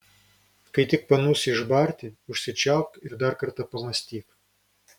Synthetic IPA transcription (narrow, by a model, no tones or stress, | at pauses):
kɐɪt̪ʲɪk̚pɐnuːsʲɪʒbɑɾʲt̪ʲɪʊʃʲsʲɪt͡ʃʲɛˑʊkɪɾd̪ɐɾkɐɾt̪ɐpɐmɐsʲt̪ʲiːk